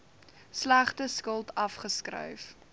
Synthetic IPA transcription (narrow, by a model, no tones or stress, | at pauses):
slæχtəskəlˠtɐfχəskrə̰jf